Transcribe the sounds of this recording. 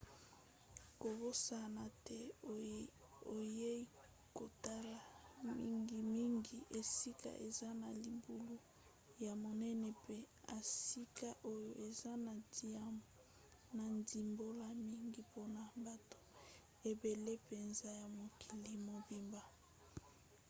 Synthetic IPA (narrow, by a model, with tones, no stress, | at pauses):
ko˨bo˦sa˨na˨tɛ˦˨ | o˨je˦i˦ | ko˨ta˦la˨mḭ˦ŋɡi˨mi˦ŋɡi˨ʔe˨si˦ka̰˨ʔe˨za˦na˨li˨bu˨lu˦ | ja˨mo˨nɛ˦nɛ˨pe˦ | a˨si˦ka˦ʔo˦jo˨ʔe˨za˦na˨di˨a˦mo˨ | na˨ndi˨mbo˦la˦mi˦ŋɡi˨po˦na˨ba˨to̥˦ | e˨be˨le˦pe˨nza˦ja˨mo˨kʰi˨li˨mo˨bi˦mba˨